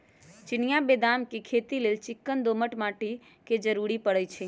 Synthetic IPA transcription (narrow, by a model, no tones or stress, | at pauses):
t͡ʃɪnɪjabeːd̪amkekʰet̪ilelt͡ʃɪkːənd̪oməʈmaːʈi | ked͡ʒəɾuɾipəɽət͡ʃʰe